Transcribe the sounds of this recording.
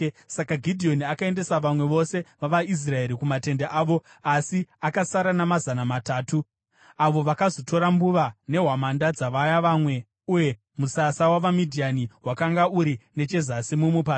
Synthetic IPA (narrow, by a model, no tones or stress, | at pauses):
sakaɡʱidʱio̞niakae̞nde̞saʋamwe̞ʋo̞se̞ʋaʋais̬rae̞ɾikumate̞ndeʔaːʋo̞ | asiakasaɾanamazanamataːtu | aʋo̞ʋakazo̞to̞ɾambuʋane̞ɦwamandad͡zaʋajaʋaːmwe̞ | uje̞ | musasawaʋamidʱianiɦwakaŋɡauɾine̞t͡ʃe̞zasimumupaːt